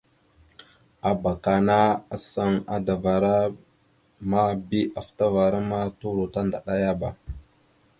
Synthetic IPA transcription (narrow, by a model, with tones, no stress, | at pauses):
a˨ba˨ka˨na˦a˨sa˦ŋa˦da˨va˨ɾa˦ | ma˦bi˦ʔa˨fta˦va˨ɾa˦ma˦tu˦ɾo˨ta˦nda˨ɗa˦ja˦ba˨